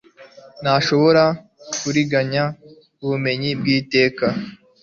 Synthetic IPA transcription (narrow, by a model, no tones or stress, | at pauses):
naʃo̞βo̞ɾa | kuɾiɡaɲa | uβume̞ɲibɡiːte̞ːka